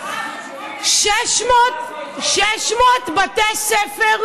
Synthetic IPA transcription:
ʃ | ʃɛʃmot̪bat̪esɛfeʁ

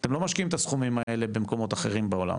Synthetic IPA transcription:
t̪emlo̞maʃkiimet̪asχumimae̞le̞be̞mko̞mo̞t̪aχe̞ʁimbeo̞la̰m

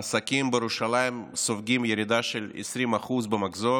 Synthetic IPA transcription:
sakʲimbejeɾuʃalajimsofɡʲimjeɾid̪aʃelḛsɾimaχuzbemaɡzo

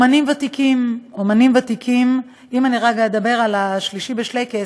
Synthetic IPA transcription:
manimvat̪ikimomanimvat̪ikʰim | imaniʁaɡajed̪abe̞ʁalaʃliʃibeʃle̞jke

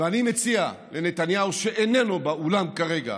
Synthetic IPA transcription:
veanimet͡sialenet̪anjauʃeʔenenobaulamkaʁeɡa̰

